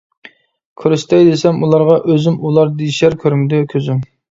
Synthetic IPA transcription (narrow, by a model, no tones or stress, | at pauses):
kʲʰøɾyst̪ɛjd̪esɛmulˠɑɾʁɑʔøzɪmulˠɑɾd̪eʃæɾkʲʰøɾmd̪ɪkʲʰøzym